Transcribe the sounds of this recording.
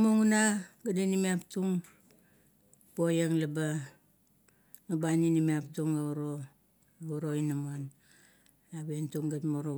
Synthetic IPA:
moŋunaɡadinimiaptuŋ | bojaŋlaba | nabaninimiaptuŋauɾo | auɾo̞inaman | aβentuŋɡatmoɾo

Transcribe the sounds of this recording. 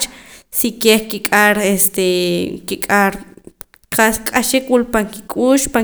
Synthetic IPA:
t͡ʃsikehkikʼaɾest̪ekikʼaɾ | qaskʼaʃikwulpaŋkikʼuːʃpa

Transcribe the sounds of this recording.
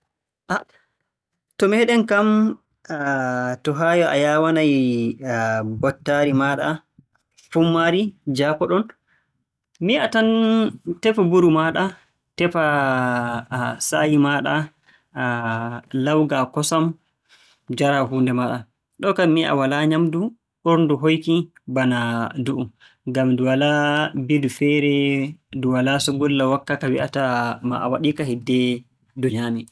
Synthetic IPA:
ʔa | tɔmɛɗɛnkam | tɔɦaːjɔʔa̰jaːwanaj | bɔtːaɾimaɗa | fumːaɾid͡ʒaːkɔɗɔn | miatantɛfabuɾumaɗa | tɛfa | sajimaːɗa | lawɡakɔsam | d͡ʒaɾaɦundɛmaɗa | ɗɔkamiʔa̰walaɲamdu | ʔoɾnduɦojki | banaduʔum | ɡamduwalabidufɛɾɛduwalasɔɡɔlːawakːakawiʔatama̰ʔa̰waɗikahidːɛ | dɔɲami

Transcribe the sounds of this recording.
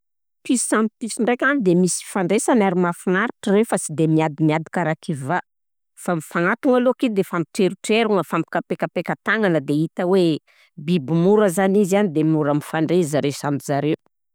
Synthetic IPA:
pisant̪isiɳɖ͡ʐekʲanid̪emisi̥faɳɖ͡ʐesanaɾimafinaɾiʈ͡ʂəɾewfasid̪emiad̪imiad̪ikaɾakiva | famifaŋat̪uŋalokid̪efampi̥ʈ͡ʂeɾuʈ͡ʂeɾuŋəfampi̥kapekapekət̪aŋanəd̪eit̪əwe | bibimuɾəzanizianid̪emuɾamifaɳɖ͡ʐeizaɾesanuzaɾe

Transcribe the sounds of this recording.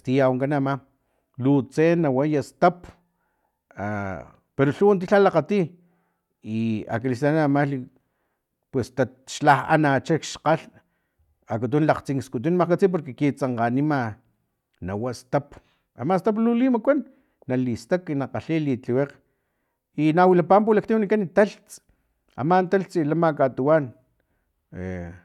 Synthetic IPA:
st̪ijawŋkanama | lut͡senawajast̪ap | a | peɾoɬuwant̪̬iɬalaqat̪i | ia̰kalist̪aanamali | pwest̪a | ʃlaha̰nat͡ʃekʃqaɬ | akat̪̬unlaqt͡siŋkskut̪̬unmakat͡sip̬oɾkekit͡saɴqanima | nawast̪ap | a̰mast̪ap̬lulimakʷanː | alist̪akinaqaɬilit͡ɬiweq | inawilapamp̬ulak̚t̪iwnikanit̪aɬt͡s | a̰mant̪alt͡silamakat̪uwan | ḛ

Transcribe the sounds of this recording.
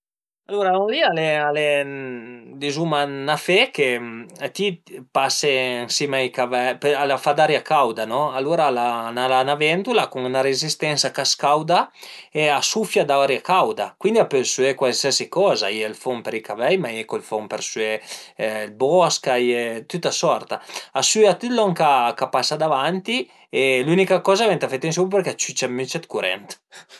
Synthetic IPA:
aluɾaunlialeale | d̪izumanafekeat̪ipaseaŋsimajkavɛalafad̪aɾjakawd̪anɔaluɾalanalanavɛnd̪ulakuŋunaɾezist̪ɛnsakaskawd̪aeasufjad̪aaɾjakawd̪akwind̪iapelsyɛkwalsiasikɔːza̰iɛlfompeɾikavɛjmajɛkolfompeɾsyɛ | lbɔskajɛt̪ut̪ːasɔrt̪aasyat̪it̪lɔŋkakapasːad̪avant̪i | elunikakɔːzavɛnt̪afet̪ːiŋs̬uppeɾkeat͡ʃyt͡ʃamːit͡ʃɛt̪kuɾɛ̰nt̪

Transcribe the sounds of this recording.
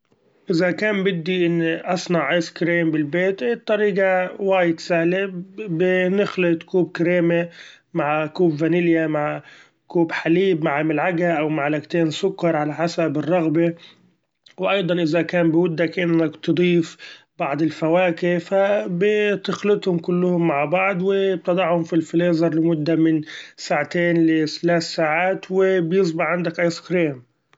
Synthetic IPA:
ʔɪzakaːmbɪd̪ːiʔɪnːiʔɑsˤnɑʕʔɪːskɾeːmbɪlbeːt̪ʔit̪ˤːɑɾiːɡawaːjɪd̪sahlebɪnɪxlɪt̪kuːb̚kɾeːme | maʕkuːbvanɪljamaʕ | kuːbħaliːbmaʕmɪlʕaɡaʔawmaʕlakt̪eːnsʊkːɑɾˤʕalaħasabɪrˤːɑɣbe | wɪʔɑjd̪ˤɑnʔɪðakaːmbɪmʊd̪ːakʔɪnːakt̪ɨd̪ˤiːfbɑʕd̪ˤɪlfawaːkɪfabɪt̪ɪxlɪt̪hʊmkʊlːʊhʊmːaʕbɑʕd̪ˤwɪb̚t̪ɑd̪ˤɑʕhʊmfilfɪleːzɑɾˤlɪmʊd̪ːamɪnsaːʕat̪eːnlɪt̪alaːθsaːʕaːt̪wɪbjɪs̬ˤbɪħʕand̪akʔajskɾiːm

